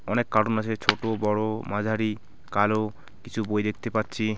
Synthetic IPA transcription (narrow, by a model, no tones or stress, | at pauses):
ɔnekːaɾonat͡ɕʰet͡ɕʰoʈobɔɽomad͡ʑʱaɾi | kalo | kit͡ɕʰubojd̪ek̚t̪epatːɕʰi